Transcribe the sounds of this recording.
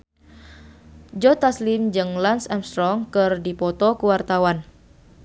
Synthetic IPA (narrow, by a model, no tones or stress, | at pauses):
d͡ʒɔt̪aslimd͡ʒɨŋlansɛmst̪ɾɔŋkɨrdipɔt̪ɔkuwart̪awan